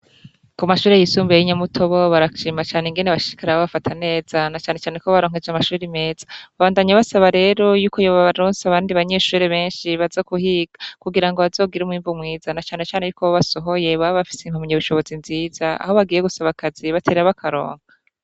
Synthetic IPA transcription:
kumaʃuːɾejisuːmbejiɲamutʰo̞βo̞βaɾaʃiːmat͡ʃaːneŋɡe̞neβaʃi̥kaɾaβoβafatʰane̞ːzanat͡ʃaːne̞t͡ʃaːne̞koβaɾoːŋ̥ɦe̞d͡ʒamaʃuːɾime̞ːz̥ḁβaβaːndaɲaβasaβaɾe̞ːɾo̞juːkojoβaβaɾoːnsaβaːndiβaɲe̞ʃuːɾeβe̞ːnʃiβazokuhiːɡ̥akuɡiɾaŋɡoβazo̞ːɡiɾumŋiːɱvumŋiːzanat͡ʃaːne̞t͡ʃaːne̞juːkoβaβaso̞ɦo̞je̞βaβaβafi̥seim̥humɲaβuʃo̞βo̞zinziːz̥aa̰hoβaɡiːje̞ɡusaβakaziβatʰe̞ːɾeɾaβakʰaɾo̞̰ːŋa

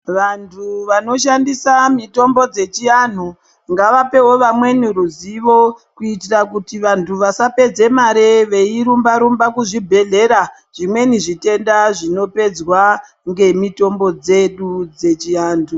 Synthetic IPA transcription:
ʋantʰuʋano̞ʃandisamito̞mbo̞d͡ze̞t͡ʃian̤u | ŋɡaʋape̞ɦo̞ʋamwe̞niɾuziʋo̞kuitirakutiʋantʰuʋasape̞d͡ze̞maɾeʋe̞iɾumbaɾumbakuʐibʱe̞ɮe̞ɾa | ʐ̥imwe̞niʐite̞ndaʐino̞pe̞d͡zwa | ŋɡe̞mito̞mbo̞d͡zeɗud͡ze̞t͡ʃiaːntʰu

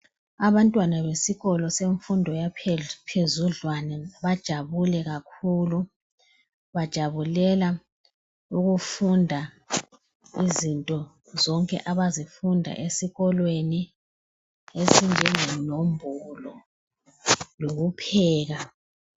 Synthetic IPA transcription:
aβantʼwanaβesiɣɔlɔseɱfundʱɔjapʰezuɮwanɛβad̥ʒ̥ʱaβulɛɣakʰulu | βad̥ʒ̥ʱaβulɛla | uɣufundʱa | izintʼɔ | zɔŋkʼɛ̰ʔaβazifundʱa̰ʔesiɣɔlweni | ezind͡ʒʱɛŋɛnombʱɔlɔ | loɣupʰɛːɣa

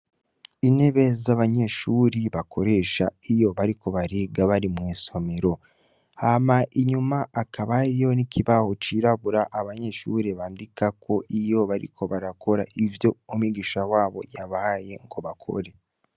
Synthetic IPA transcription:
ine̞βe̞zaβaɲe̞ʃuɾiβakʰo̞ɾe̞ːʃaijo̞βaɾiko̞βaɾeɡaβaɾimweːso̞me̞ɾo̞ | hamaʔiɲumaʔakʰaβaɾijo̞nikʰiβaho̞t͡ʃiɾaβuɾaʔaβaɲe̞ʃuːɾeβaːndikako̞ʔijo̞βaɾḭkʰo̞βaɾakʰo̞ɾaʔivjo̞umiɡiʃawaːβo̞̰jaβaje̞ŋɡo̞βakʰo̞̰ɾe̞

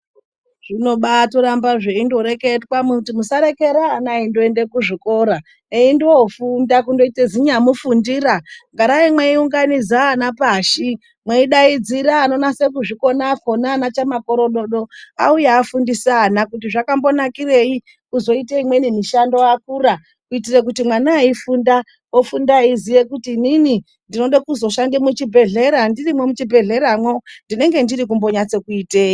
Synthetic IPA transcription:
ʐ̥ino̞ɓatoɾambaʐeindo̞ɾe̞ke̞twamutimusaɾe̞ke̞ɾaːnaindo̞e̞nde̞kuʐiko̞ɾa | eindofundak̬undo̞iteziɲamufundiːɾaŋɡaɾaimweiuŋɡanid͡zaːnapaːʃi | mweiɗaid͡ziɾaːno̞nase̞k̬uʐiko̞nakonaːnat͡ʃamako̞ɾo̞ɗo̞ɗoa̰ujeːfundisːnakutiʐakambo̞nakire̞i | kuzo̞iteimwe̞nimiʃando̞ak̚uːra | kuitirek̬utimwanaifunda | ofundaizijekutiːnini | ndino̞ɗakuzo̞ʃandemut͡ʃibʱe̞ɮe̞ɾandirimwemut͡ʃibʱe̞ɮe̞ɾamwo̞ndine̞ŋɡe̞ndiɾikumbo̞ɲat͡se̞kuite̞ːi

